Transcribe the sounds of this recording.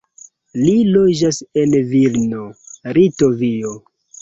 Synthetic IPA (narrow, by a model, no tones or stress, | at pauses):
lilod͡ʒasenvilnoɾitovio